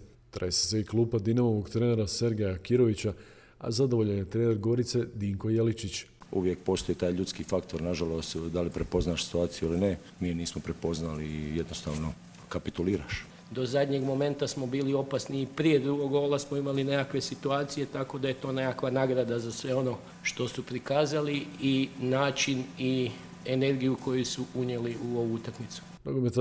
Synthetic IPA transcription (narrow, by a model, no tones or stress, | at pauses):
t̪ɾesi̥seiklˠuːpad̪inamo̞ʋoɡt̪ɾeːne̞ɾase̞ɾɡejakiɾo̞ʋit͡ɕa | a̰zad̪oʋo̞ʎenet̪ɾeːne̞ɾɡo̞ɾit̪se̞d̪iːŋko̞jelit͡ʃit͡ɕuʋjek̚po̞ːst̪ojit̪aːjʎut̪skifakt̪oɾnaʒalo̞st̪d̪alipɾepo̞znaːʃsi̥t̪uaːt̪sijuiline | miːjniːsmopɾepo̞znalijed̪nost̪aːʋno̞ | kapit̪uliːɾa̰ʃ | d̪o̞zad̪ʲɲe̞ɡmo̞me̞nt̪asmo̞biːlio̞pasniːpɾije̞d̪ɾuɡoɡo̞lasmoimaline̞kakʋe̞sit̪uaːt̪sije̞t̪ako̞d̪aje̞t̪o̞ːne̞kakʋanaːɡɾad̪azasʋe̞o̞no̞ | ʃt̪o̞supɾikaːzaliinaːt͡ʃini | e̞ne̞ɾɡijuko̞jusuʔuɲje̞liuo̞ʋuut̪akmit̪su̥ | noɡomet̪